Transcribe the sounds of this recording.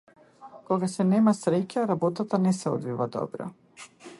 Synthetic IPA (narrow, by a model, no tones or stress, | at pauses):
kɔɡasɛnɛmasɾɛcaɾabɔt̪at̪anɛsɛɔ̰d̪vivad̪ɔ̰bɾɔ̰